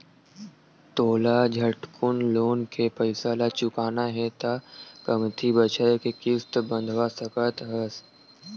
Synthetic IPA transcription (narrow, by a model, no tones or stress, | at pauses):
t̪oːlad͡ʒʱəʈkʰʊnloːnkʰepəɪsaːlat͡ʃʊkaːnaɦɛt̪akəmt̪ʰibət͡ʃaekekɪst̪bə̃nd̪ʱʋasəkət̪ɦəs